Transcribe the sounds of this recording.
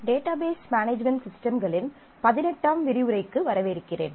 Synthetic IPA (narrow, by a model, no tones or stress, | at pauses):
ɖeːʈaːbeːsmaːneːd͡ʒmɛɳʈsɪsʈɐmɡɐɭɪn | pɐðɪnɛʈːaːmʋɪɾɪʋɯɾɐɪkːɯʋɐɾɐʋɐɪɾɯkːɪrḛːn